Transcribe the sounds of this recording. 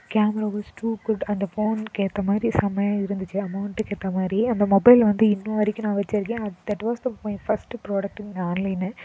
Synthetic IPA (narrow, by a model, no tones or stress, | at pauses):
kaːmɛɾaːʋɐːsʈuːkʊɖɐnd̪ɐfoːnkeːt̪ːɐmaːd̪ɾisɐmɐjaɪɾɯnd̪ɯt͡ʃːɯɐmɐʊɳʈkeːʈt̪ːɐmaːd̪ɾiɐnd̪ɐmɔbɐɪlʋɐnd̪ɯɪnːũʋɐɾɪkʲːɐnãːʋɛt͡ʃːɐɾɯkːẽːɐd̪ɐʈʋaːsd̪ɐpõːfɐsʈpɾoːɽɐk̚ʈɪ̃nnaːnlɐɪn